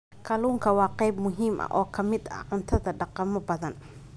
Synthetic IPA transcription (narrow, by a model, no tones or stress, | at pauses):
kʰɐluːŋkʰɐwɑːqɑjbmʊɦiːmʔɐ̰ʔɔːkʰɐmɪd̪ɐ̰ʕʊnt̪ʰɐðɐɖɑqɑmɔbɐðɐn